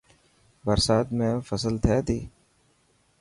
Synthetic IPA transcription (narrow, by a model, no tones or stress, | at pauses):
bəɾsaːt̪mẽːfəsəlt̪ʰɛːt̪ʰiː